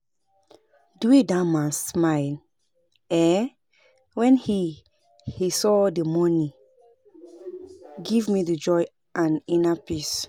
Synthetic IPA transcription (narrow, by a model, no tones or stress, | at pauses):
duidamassmaɪl | ɛ | wɛ̃nhi | hisɔdəmɔni | ɡivmidəd͡ʒɔj | ʔãnĩnapis